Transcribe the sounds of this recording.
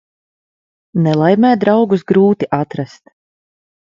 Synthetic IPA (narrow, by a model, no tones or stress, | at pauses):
nɛlˠajmɛːd̪ɾawɡusɡɾuːt̪iʔat̪ɾast̪